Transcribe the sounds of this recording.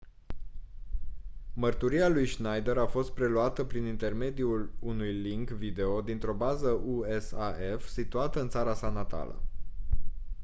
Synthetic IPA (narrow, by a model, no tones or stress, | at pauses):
mərt̪uɾialujʃnajd̪eɾafo̞st̪̚pɾe̞luat̪əpɾinint̪e̞rme̞d̪iulunujliŋkvid̪e̞o̞d̪int̪ɾo̞bazəʔuesaefsit̪uat̪əɨnt̪saɾasanat̪a̰lə̰